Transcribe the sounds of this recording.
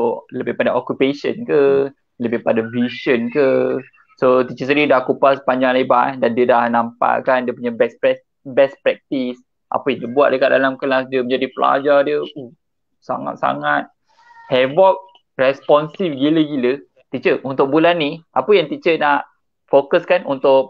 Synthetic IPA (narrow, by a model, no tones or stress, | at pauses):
soləbɪhpadaokupesə̰nkə | ləbɪhpadavisənkə | sot̪it͡ʃəsəɾidakupasə̥paɲd͡ʒaŋlaibadandiədahnampa̰ʔkandiəpuɲabɛspɛs | bɛspɾɛk̚t̪is | ʔa̰pəjaŋdiəbuaʔ̚dəkat̪̚dalamkəlasdiəmə̃ɲd͡ʒadipəla̰d͡ʒadiəu | sa̰ŋa̰t̪̚sa̰ŋat̪̚ | hɛvɔp̚ | rɛspɔnsifɡiləɡilə | t̪iʔt͡ʃəʔunt̪ʊk̚bulanːiʔapəjaŋt̪it͡ʃənaʔ | fokəskanunt̪ʊʔ̚